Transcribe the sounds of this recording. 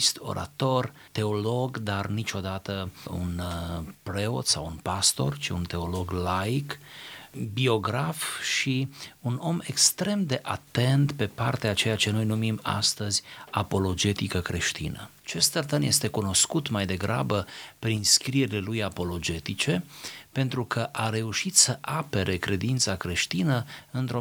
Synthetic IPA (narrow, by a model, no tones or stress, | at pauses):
st̪o̞̰ɾa̰t̪o̞r | t̪e̞o̞lo̞ɡd̪arnit͡ʃo̞d̪at̪əṵnpɾe̞o̞̰t̪sa̰wunpast̪o̞̰rt͡ʃiunt̪e̞o̞lo̞ɡlajk | bio̞ɡɾafʃiuno̞me̞kst̪ɾe̞md̪e̞ʔat̪e̞nt̪pe̞pa̰rt̪eat͡ʃe̞jat͡ʃe̞no̞jnumima̰st̪əzʲapo̞lo̞d͡ʒe̞t̪ikəkɾe̞ʃt̪inə̰ | t͡ʃe̞st̪t̪ərt̪ənje̞st̪e̞kuno̞skut̪majd̪e̞ɡɾa̰bəpɾinskɾije̞ɾilelujapo̞lo̞d͡ʒe̞t̪it͡ʃe̞pe̞nt̪ɾukʰəʔaɾe̞uʃit̪səʔape̞ɾʔe̞kɾe̞d̪int̪sakɾe̞ʃt̪inəɨnt̪ɾo